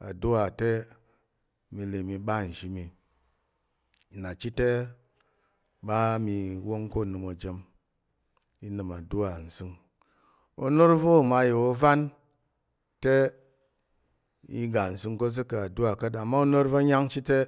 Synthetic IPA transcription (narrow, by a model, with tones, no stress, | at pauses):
a̰˨du˦wa˨te˦ | mi˧le˨mi˧ɓa˦˨n̩˨ʃi˦mi˨ | na˨t͡ʃi˦te˦ | ba˦mi˧wo˦ŋko˦˨nɨ˧mo˨d͡ʒe˧m | i˦nɨ˨ma˨du˦wa˨n̩˨sɨ˧ŋ | o̰˧no˦ɾvo˦˨ma˧je˨o˦va˦n | te˦ | ḭ˧ɡa˨n̩˨sɨ˧ŋko˦z̬ɨ˦kɨ˨a˨du˦wa˨ka˦t̬a˨mːa˦o˦no˦ɾvo˦ɲa˦ŋt͡ʃi˦te˦